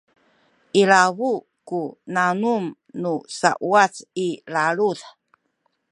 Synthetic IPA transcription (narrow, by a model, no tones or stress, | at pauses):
ʔilavu | kunanum | nusa̰ʔuat͡silaɭuð